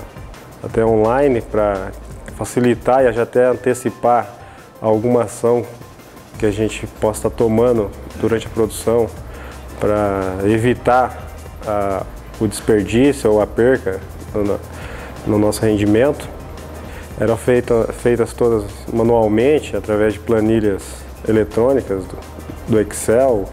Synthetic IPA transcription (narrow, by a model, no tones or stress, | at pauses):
a̰t̪ɛõlajnɪpɾɐfasilit̪aɪaat̪ɛɐ̃nt̪esipa | awɡũmɐasɐ̃w̃ | kɪaʒẽnt͡ʃɪpɔsɪ̥t̪at̪omɐ̃nd̪ʊd̪uɾɐ̃nt͡ʃɪɐpɾod̪usɐ̃w̃pɾɐevit̪a | a | ʊd͡ʒ̪ɪspeɾd͡ʒisjʊowɐpeɾkɐ | n | nʊnɔsʊhẽnd͡ʒimẽnt̪ʊ̥ | ɛ̰ɾɐ̃fejt̪ɐfejt̪ɐst̪od̪ɐz | mɐ̃nuawmẽt͡ʃɪat̪ɾavɛzd͡ʒɪplɐniʎɐz | elet̪ɾõnikɐzʊ | d̪ʊeksɛw